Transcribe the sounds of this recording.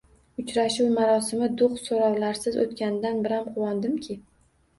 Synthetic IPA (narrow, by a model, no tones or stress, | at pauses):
ʊt͡ʃɾaʃuwmaɾɒsɪmɪd̪ʊχt̪soɾawlaɾsɪzo̰t̪kʲanɪd̪anbɪɾamqʰʊwɒnd̪ɪmkʲʰɪ